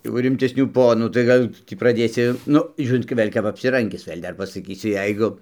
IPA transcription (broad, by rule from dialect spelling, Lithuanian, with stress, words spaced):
jɛʊ rʲɪmʲtʲɛsʲˈnʲuː ˈpoːnuː tɐɪ kɐˈdʊ ˈtʲiː prɐˈdʲeːsʲɪ ˈnʊ ˈʒʲuːrʲɪnt ɡʲɪ ˈʋʲeːlʲ kɐp ɐpʲsʲɪˈrɐŋʲɡʲɪs ˈʋʲeːlʲ ˈdɐr pɐsɐˈkʲiːsʲɪ ˈjɛɪɡʊ